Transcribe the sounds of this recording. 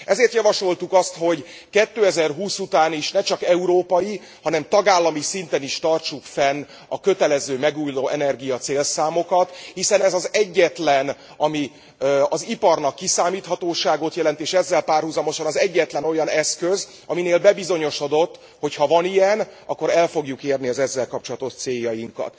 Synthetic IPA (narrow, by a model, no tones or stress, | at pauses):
ɛzeːrt̪jɒvɒʃo̞lt̪ukɒst̪ho̞ɟ | kɛt̪ːøːɛzɛrɦuːsut̪aːniʃnɛt͡ʃɒkɛuɾoːpɒji | hɒnɛmt̪ɒɡaːlːɒmisint̪ɛniʃt̪ɒrt͡ʃukfɛn | ɒkø̞t̪ɛlɛzøːmɛɡuːjloːʔɛnɛrɡijɒt̪seːlsaːmo̞kɒt̪hisɛnɛzɒzɛɟːɛt̪lɛn | ɒmi | ɒzipɒrnɒkːisaːmiːt̪hɒt̪oːʃaːɡo̞t̪jɛlɛnt̪eːʃɛzːɛlpaːrhuzɒmo̞ʃɒnɒzɛɟːɛt̪lɛno̞jɒnɛskøz | ɒmineːlbɛbizo̞ɲo̞ʃo̞d̪o̞t̪ː | ho̞chɒvɒnijɛnʔɒ̰kːo̞ɾɛlfo̞ɡjukeːrniɒzɛzːɛlkɒp̚t͡ʃo̞lɒt̪o̞ʃt̪seːjːɒjiŋkɒ̰t̪